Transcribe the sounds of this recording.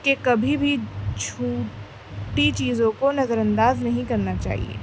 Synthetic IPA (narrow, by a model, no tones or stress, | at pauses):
kekɐbʱibʱit͡ʃʰuː | ʈit͡ʃiːzõkonɐzəɾɐ̃nd̪aːznɐɦĩkɐɾnat͡ʃa̰ːɦḭḛː